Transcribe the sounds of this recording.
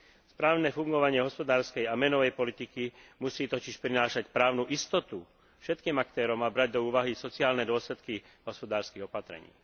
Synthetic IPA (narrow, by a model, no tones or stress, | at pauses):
spɾaːʊnɛfuŋɡɔʋaɲɪɛɦɔspɔd̪aːɾskɛjamɛnɔʋɛjpɔlit̪ikimusiːt̪ɔciʃpɾinaːʃacpɾaːʊnuʔist̪ɔt̪u | fʃɛt̪kiːmakt̪ɛːɾɔmabɾaɟ̚d̪ɔuːʋaɦisɔt͡siaːlnɛd̪ʊɔslɛt̪ki | ɦɔspɔd̪aːɾskiɣɔpat̪ɾɛ̰ɲḭː